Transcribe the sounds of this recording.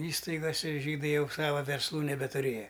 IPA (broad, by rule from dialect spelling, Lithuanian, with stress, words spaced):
ˈiːstɐɪɡoːsʲɛ ˈʒʲiːdɐɪ ˈjɛʊ ˈsɑːʋɐ ʋʲɛrsˈlˠuː nʲɛbʲɛtʊˈrʲeːjɛ